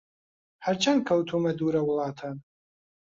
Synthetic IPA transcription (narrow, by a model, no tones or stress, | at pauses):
ħaɾt͡ʃʰankʰɐwtʰumɐduɾɐwlɑːtʰan